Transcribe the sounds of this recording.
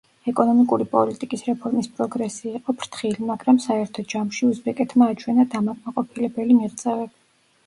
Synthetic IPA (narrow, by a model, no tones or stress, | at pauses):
ɛkʼɔnɔmikʼuɾipʼɔ̰lit̪ʼikʼisɾɛpʰɔɾmispʼɾɔɡɾɛsiːqʼɔpʰɾt̪ʰχilimaɡɾamsaɛɾt̪ʰɔd͡ʒamʃiuzbɛkʼɛt̪ʰmaːt͡ʃʰwɛnad̪amakʼmaqʼɔpʰilɛbɛlimiʁt̪sʼɛvɛb